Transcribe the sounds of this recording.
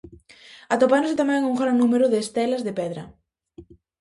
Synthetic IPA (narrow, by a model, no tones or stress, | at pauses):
at̪opand̪osɪt̪amɛŋuŋɡɾannũmeɾʊðeːst̪ɛlɐzðepɛðɾɐ̰